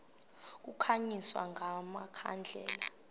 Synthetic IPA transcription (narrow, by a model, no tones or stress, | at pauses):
k̬ukʰaɲiswa̰ŋʱamakʰa̰nd͡ɮʱɛːla